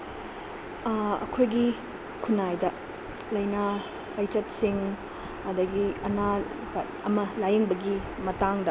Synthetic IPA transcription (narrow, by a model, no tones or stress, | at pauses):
ɐ̰kʰojɡi | kʰunajdɐ | lɐjna | ɐjt͡ʃɐtsiŋ | ɐdɐɡiɐna | ɐmɐlajɐŋbɐɡi | mɐtaŋdɐ